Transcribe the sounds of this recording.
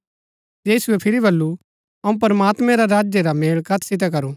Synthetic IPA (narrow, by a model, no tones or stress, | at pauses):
iːsʊɛpʰɪɾibɐlːu | ɐũp̬ɐɾmaːt̪mɛ̃ɾaɾaːd͡ʒjeɾameːɭkɐt̪ʰsɪt̪̬ɛk̬ɐɾuː